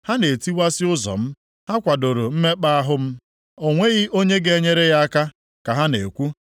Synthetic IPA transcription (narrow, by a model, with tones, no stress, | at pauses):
ha˦ne˨ti˦wa˦sɪ˦ʊ˦zɔ̰˨m̩˦ | ha˦kʷa˨do˨ɾo˨m̩˦me˦k͡pa˦a˦ɦʊ˦m̩˦ | o˨ŋʷe˦ɣi˦ʔo˦ɲe˦ɡe˦˨˦ɲe˦ɾe˦ja˦a˦ka˦ | ka˨ɦa˦ne˨kʷu˦